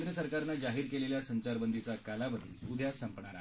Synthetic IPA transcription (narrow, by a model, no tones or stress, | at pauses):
d̪ɾjəsəɾkaɾnad͡zaɦiːɾkeleljasəɲt͡ɕaɾbənd̪ʱit͡sakalabəd̪ḭlud̪ʱjasəmpɳaɽa